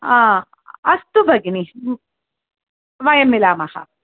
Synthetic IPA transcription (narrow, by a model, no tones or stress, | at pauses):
a | ɐst̪ubɐɡini | ʋajɐmːilaːmaxa̰